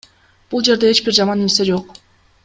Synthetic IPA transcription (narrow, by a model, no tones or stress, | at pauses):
b̥ulˠd͡ʒe̞ɾd̪e̞et͡ʃbiɾd͡ʒɑmɑninsed͡ʒo̞q